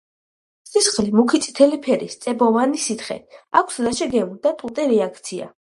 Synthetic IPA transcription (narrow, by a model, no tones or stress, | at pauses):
sisχlimukʰit̪sʼi̥t̪ʰɛlipʰɛɾist̪sʼɛbɔvanisit̪ʰχɛ̰akʷʰsud̪aʃɛɡɛmud̪at̪ʼut̪ʼɛɾɛakʰt̪sʰia̰